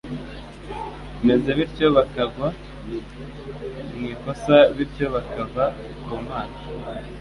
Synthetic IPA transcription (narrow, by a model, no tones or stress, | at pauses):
me̞ze̞βiɾcoβakaɡwa | mŋiːko̞saβiɾco̞βakava | kumaːn